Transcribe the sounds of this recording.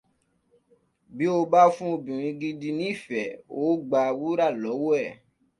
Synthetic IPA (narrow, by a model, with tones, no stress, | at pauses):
bi˨˦o˧ba˦fũ˦o˧bĩ˨ɾ̃ĩ˧ɡi˧di˧nĩ˦i˦˨fɛ˨o˨˦ɡ͡ba˧wu˦ɾa˦˨lɔ˨˦wo˦ɛ˦˨